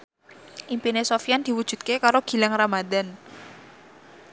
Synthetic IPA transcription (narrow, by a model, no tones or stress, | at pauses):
ʔimpinesofijand̪̥i̤wud̥ʒ̥ṳt̪̚kekaɾoɡ̥i̤laŋramad̪an